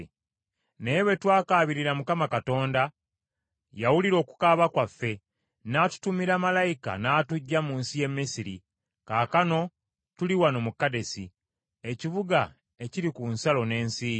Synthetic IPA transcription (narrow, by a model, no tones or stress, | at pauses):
neβe̞twaːkaːβiɾiɾamukamakato̞ːnda | jawuliɾo̞ːku̥kaːβakwafːe̞ | naːtu̥tumiɾaːmalajika̰naːtuɟːamuːnsije̞mːisiɾi | kaːkano̞ | tuliwano̞mukːade̞si | e̞ciβuɡa | e̞ciɾikunsalo̞ne̞ːnsiː